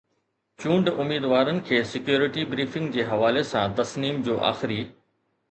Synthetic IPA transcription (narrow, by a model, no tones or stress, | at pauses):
t͡ɕũːɳɖʊmiːd̪ʋaːɾənɪ̆kʰeːsɪkjoːɾɪʈibɾiːfɪ̃ŋɡ̚d͡ʑeːɦɐʋaːlesãt̪ɐsniːmd͡ʑoːʔa̰ːxɪɾiː